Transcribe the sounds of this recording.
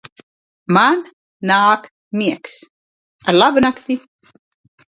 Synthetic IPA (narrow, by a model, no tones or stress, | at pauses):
man | naːk | miɛks | aɾlˠabɨnakt̪i